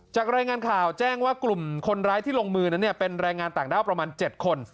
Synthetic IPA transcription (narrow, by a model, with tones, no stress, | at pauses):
t͡ɕaː˨˩k̚ɾaː˧jŋaː˧nkʰaː˨˩wt͡ɕɛː˥˩ŋwaː˥˩klu˨˩mkʰo˧nɾaː˦˥jt̪ʰiː˥˩lo˧ŋmɯː˧na˦˥nːi˥˩ɐpe˧nɾɛː˧ŋaː˧nt̪aː˨˩ŋdaː˥˩wpɾa˧maː˧nt͡ɕe˨˩t̪̚kʰo˧n